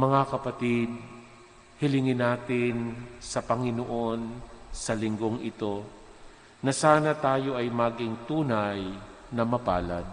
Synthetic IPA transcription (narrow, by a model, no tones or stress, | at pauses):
mɐŋakɐpɐt̪ɪd̪̚ | hɪlɪŋɪnaːt̪ɪnsɐpɐŋɪnoʔo̞nsɐlɪŋɡo̞ŋʔɪt̪o̞ | nɐsaːnɐt̪aːjo̞ʔɐjmaːɡɪŋt̪uːnaj | nɐmɐpaːlɐ̰d̪̚